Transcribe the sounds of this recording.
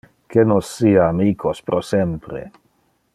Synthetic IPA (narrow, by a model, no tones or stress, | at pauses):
kenosːiːaːmiːkʰospɾʔosempɾḛ